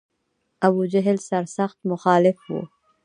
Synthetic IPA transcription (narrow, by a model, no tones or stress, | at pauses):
ɐbud͡ʒɐɦɪlsɐɾsɐxt̪mʊxɑːlɪfwo̰ː